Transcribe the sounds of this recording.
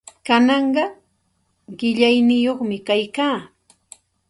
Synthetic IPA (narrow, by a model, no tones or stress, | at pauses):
kanɑɴɢɑ | ɢɪʎajnɪjoχmɪkajkaː